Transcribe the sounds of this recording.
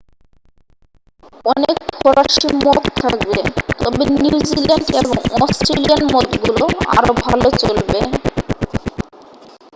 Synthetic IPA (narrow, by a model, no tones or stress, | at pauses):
ɔnekpʰɔɾaʃimokt̪ʰa̰k̚bet̪ɔbenjud͡ʑilanɖeboŋɔsʈɾelianmot̪ɡuloa̰ɾobʱalot͡ɕolbe